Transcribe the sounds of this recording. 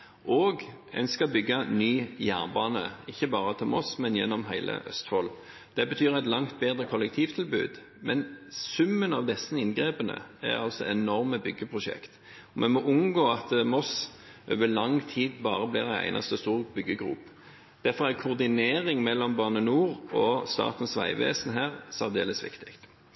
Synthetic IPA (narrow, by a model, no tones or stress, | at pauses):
ʔoːɡ | ɛ̰nskɑbʏɡːɑnyːjæːnbɑːnə̰ɪçːəbɑːʁət̪ʰɪlmɔsmɛnjɛnːɔmɦæɪlʔə̰ʔœ̰st̪fɔl | d̪̥ɛbət̪ʰyːʁæɪt̪lɑŋt̪̚beːd̪ʁəkʰɔlɛkt̪ʰiːʋt̪ʰɪlbʉ̰ːd̪ | mɛnsʉmːənɑʋd̪ɛsːəɪnɡʁeːpənə̰æ̰ʁɑ̰lsɔɛnɔʁməbʏɡːəpʰʁʊʃɛ̰kt̪ | ɔmɛnmɔʔʊnɡoːɑt̪mɔs | ʔø̰ːʋəlɑŋt̪ʰiːd̪bɑːʁəbliʁæɪæ̰ɪnɑ̰st̪əst̪uːʁbʏɡːəɡʁṵːp | d̪̥æʁfɔʁæʁkʰʊʁd̪ɪneːʁɪŋmɛlːɔmbɑʁnənuːʁɔst̪ɑ̰ːt̪n̩sʋæ̰ɪʋḛːsn̩ɦæːʁsɑʁd̪ḛːləsʋɪ̰kt̪ɪ̥kt̪